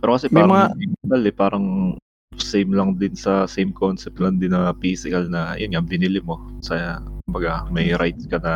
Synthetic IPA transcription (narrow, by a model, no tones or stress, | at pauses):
pɛːɾokɐsɛpjːɾɐmɐŋajmk̪ɐlɛpaːɾɐŋ | sejmlɐŋd̪ɪnsɐsejmkonsɛp̚t̪lɐŋd̪ɪnːɐpiːsɪkɐlnɐ̰jonŋabɪnɪlɪmo̞sɐjkʊmbɐɡamɐjɾajt̪̚skɐnɐ